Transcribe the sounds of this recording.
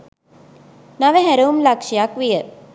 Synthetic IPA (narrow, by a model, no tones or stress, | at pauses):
naʋeɦæɾəumlakʃijakʋijə